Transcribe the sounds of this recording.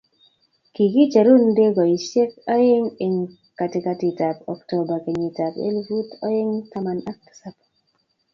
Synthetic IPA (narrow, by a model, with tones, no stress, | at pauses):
ki˨ki˦t͡ʃa˨ɾu˦n˦de˦ɡɔ˨i˨ʃje˦k̚a˦je˦ŋɪ˨ŋ | ka˨tɪ˨ka˧ti˨ta˨pɔ̰˨kto˨ba˨ke˨ɲi˨ta˨bḛ˦lvu˦tɔ̰˦ɪ˦ŋta˦ma˨na˦k̚tḁ˨sa˦p